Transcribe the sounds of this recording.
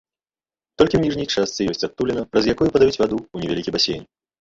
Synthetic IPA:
t̪ɔlʲkʲiwnʲiʐnʲɛjt͡ʂast̪sɨjɔsʲt͡sʲat̪̚t̪ːulʲɛnɐpɾɐzjakɔjupɐd̪avʲut͡sʲvʲad̪uːnʲɛvʲalʲikʲibasʲḛjnʲ

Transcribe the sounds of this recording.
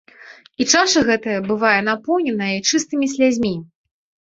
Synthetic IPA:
it͡ʂaʂɐɣɛt̪ɐjɐbɨvajɛn̪apɔwnʲɛnɐjɐjt͡ʂɨst̪ɨmʲisʲlʲad͡zʲmʲi

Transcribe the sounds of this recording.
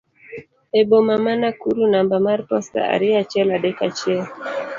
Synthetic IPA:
ɛbomamanakuɾunambamaɾpɔsta̰a̰ɾiat͡ʃɛladɛkat͡ʃɛ

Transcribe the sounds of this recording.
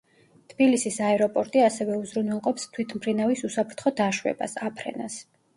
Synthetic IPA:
t̪ʰb̥ilisisaɛɾɔpʼɔɾt̪ʼiasɛvɛuzɾunwɛlˠqʼɔpst̪ʰwit̪ʰmpʰɾinavisusapʰɾt̪ʰχɔd̪aʃwɛ̰ba̰sapʰɾɛ̰na̰s

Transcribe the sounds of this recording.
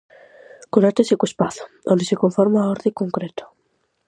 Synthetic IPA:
kunat̪esikuespaθo̥onesekoɱfoɾmaoɾðikoŋkɾet̪o̥

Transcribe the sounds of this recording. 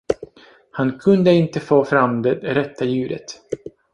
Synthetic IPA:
hankʰɵnd̪əɪnt̪əfoːfɾamd̪ɛdɾɛt̪ʰːajʉ̟ːɾə̰t̪

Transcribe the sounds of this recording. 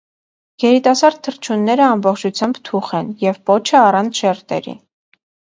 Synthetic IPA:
jɛɾit̪ɑsɑɾd̪̚t̪ʰːəɾt͡ʃʰunːɛɾəɑmbɔχt͡ʃʰut͡sʰjɑmbt̪ʰuχɛnjɛvpɔt͡ʃʰəɑrɑnt͡sʰʃɛɾt̪ɛ̰ɾḭ

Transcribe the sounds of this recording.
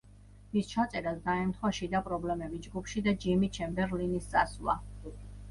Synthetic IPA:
mist͡ʃʰat̪sʼɛɾasd̪aɛmt̪ʰχwaʃid̪apʼɾɔblɛmɛbid͡ʒɡupʰʃid̪ad͡ʒimit͡ʃʰɛmbɛɾlinissʼa̰slˠa̰

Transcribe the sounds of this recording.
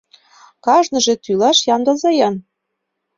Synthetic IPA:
kɑʒnɤ̆ʒĕt̪ylɑʃjɑnd̪ɤ̆lzɑjɑn

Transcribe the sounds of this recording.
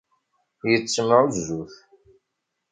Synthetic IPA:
jət͡sːəməʁuzːuθ

